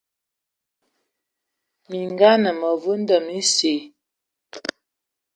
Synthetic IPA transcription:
mi˨ŋɡa˦nə˨mə˨vu˦n̩˦dɔ˨mi˦se˨

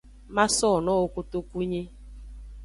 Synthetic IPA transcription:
ma˦sɔ˦˨nɔ˦o˨ko˦to˦ku˦ɲe˦

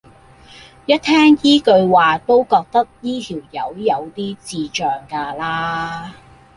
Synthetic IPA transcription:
jɐ˥t̪̚ʰːɛː˥ŋjiː˥kɵ˧ɥwaː˨t̪o˥wkɔː˧k̚t̪ɐ˥k̚jiː˥t̪ʰiː˨˩wjɐ˨˧wjɐ˨˧wt̪iː˥t͡siː˧t͡ʃœː˨ŋkaː˧laː˥

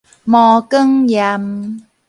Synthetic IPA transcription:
mɔ˧kə˥ŋja˧m

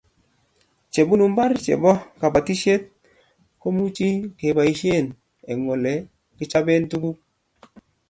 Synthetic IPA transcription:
t͡ʃe˨bu˦nu˨mba˦ɾt͡ʃḛ˨bɔ˦ka˨ba˨ti˦ʃe˦t̚ | ko˦mu˦t͡ʃi˦ke˨ba˨i˨ʃe˦˨n | ɛ˨ŋo˨le˨ | kɪ˦t͡ʃa˦be˦ntu˦ku˦

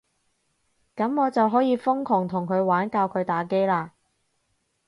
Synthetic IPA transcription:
kɐ˨˥mŋɔː˨˧t͡sɐ˨wɦɔː˨˥jiː˨˧fʊ˥ŋkʰʊ˨˩ŋt̪ʰʊ˨˩ŋkʰɵ˨˧ɥwaː˨˥nkaː˧wkʰɵ˨˧ɥt̪aː˨˧ke˥jlaː˧

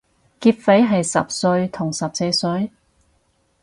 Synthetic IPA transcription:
kiː˧t̚fe˨˥jɦɐ˨jsɐ̰˨p̚sɵ˧ɥt̪ʰʊ˨˩ŋsɐ˨p̚se˨˧sɵ˨˥ɥ

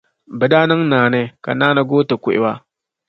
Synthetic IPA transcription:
bɨ˨daː˦nɐ˦ŋnaː˨ne˦ka̰˨naː˦na˦ɡoː˦to˨kʷu˦ʔḭ˦wa˦

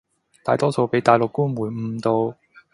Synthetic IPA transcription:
t̪a̰ː˨˧jt̪ɔː˥so˧wpe˨˥jt̪aː˨˧jlʊ˨kːuː˥nmuː˨˩nm̩˧t̪o˧w

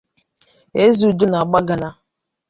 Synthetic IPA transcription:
e˦zu˨du˦na˨a˨ɡ͡ba˦ɡa˨na˨

